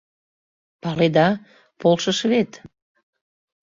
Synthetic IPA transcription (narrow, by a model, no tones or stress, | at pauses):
pɑled̪ɑ | polʃəʃβet̪